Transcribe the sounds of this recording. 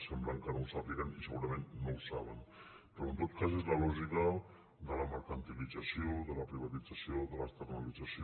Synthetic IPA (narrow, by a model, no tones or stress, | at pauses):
sɛmbləŋkaɾulˠsaplikənisəɣuɾəmenːowlsaβ̞ən | pəɾoənt̪ot̪̚kazezləlɔʒika | d̪ələməɾkant̪ilidd͡zasioðələpɾiβ̞at̪id͡zasioðələst̪əɾnalid͡zasi